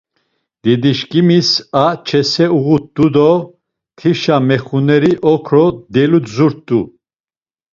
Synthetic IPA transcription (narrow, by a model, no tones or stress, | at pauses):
d̪̥id̪iʃkʼimisat͡ʃʰɛsɛuɣut̪̚d̪ud̪ɔ | t̪ʰiʃamɛχunɛɾiʔɔkʰɾɔd̪ɛluzuɾt̪t̪ʼːu